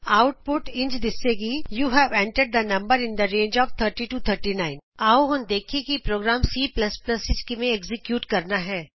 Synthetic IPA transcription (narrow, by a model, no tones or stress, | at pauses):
aʊʈ̚pʊʈɪ̃nd͡ʒd̪ɪsːeɡijuːɦɛʋɛ̃ɳʈəɖ̚d̪ənɐ̃mbəɾɪ̃nd̪əɾẽːnd͡ʒɔːʋt̪ʰəɾʈiʈuːt̪ʰəɾʈinaɪ̃naːoɦɐnd̪eːkʰikipɾoːɡɾaːmsiːplɐsplɐsɪd͡ʒkimẽeɡzɪkjuːʈkɐɾnaɦɛː